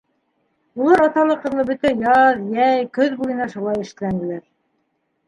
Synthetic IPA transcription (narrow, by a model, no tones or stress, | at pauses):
ulˠɑɾɑt̪ɑlˠɤqɤ̆ɾlˠɤbɵ̆t̪æjɑðjæjkɵðbujɤ̆nɑʃulˠɑjɘ̆ʃ̆t̪ɘ̆lænd̪ɘ̆læɾ